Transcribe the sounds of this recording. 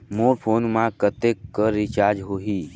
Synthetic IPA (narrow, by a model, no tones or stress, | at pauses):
moːɾpʰoːnmãkət̪ekːəɾɪt͡ʃaːɾd͡ʒɦoːɦiː